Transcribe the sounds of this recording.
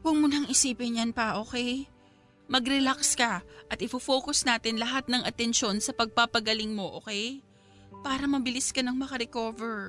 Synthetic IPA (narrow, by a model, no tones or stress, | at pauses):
kʊŋmʊnaŋɪsiːpɪnjɐnpɐʔo̞ːkɛj | mɐɡɾɛlakskɐʔɐt̪ʔɪfofo̞ːkosnaːt̪ɪnlɐɦat̪̚nɐŋʔɐt̪ɛnʃo̞nsɐpɐɡ̚papɐɡɐlɪŋmo̞ʔoːkɛj | paːɾɐmɐbɪlɪskɐnɐŋmɐkɐɾɛko̞ːvɛɹ